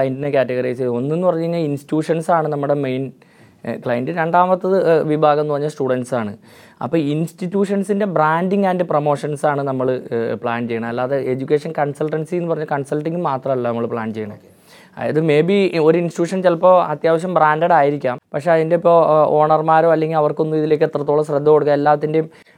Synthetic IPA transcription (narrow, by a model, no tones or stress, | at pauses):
ɐjɐndinekʲaːtːɐɣɐrɐjseo̞nːenːupɐrɐɲːuinːɐɭinstjuːʂɐnsaːɳɨnɐmːuɽe̞mejn | kɭɐjɐndɨɾeɳɖaːmɐt̪ːɐðɨʋibʱaːɡɐmnuʋɐɲːasʈuːɽɐnɖsaːɳɨ | ɐ̰pːoːinstitːjuːʂɐnsinde̞braːndiŋɡaːndepromo̞ːʂɐnsaːɳɨnɐmːɐɭɨpɭaːnt͡ɕe̞jːɐɳɐmɐlːaːðeed͡ʑukʲːe̞ːʂɐnkɐnsɐlʈɐnsijenːɨpɐrɐɲːukɐɳsɐlʈːiŋɡumaːt̪rɐmɐlːɐnɐmːɐɭpɭaːnt͡ɕe̞jɐɳɐm | a̰jɐðɨme̞ːbio̞ɾuinsitjuːʂɐnt͡ɕelɐpːo̞ːɐt̪jaːʋɐɕ̬jɐmbraːndɐɽaːjiɾikʲːaːmpɐkʂe̞ɐðindepːo̞ːo̞ːɳɐrmaːɾoːɐlːeŋɡilɐʋɐrko̞nːumiðile̞ːkːet̪rɐt̪ːoɭɐɕrɐd̪ʱːɐko̞ɽukːɐmelːaːʋɐt̪ːindem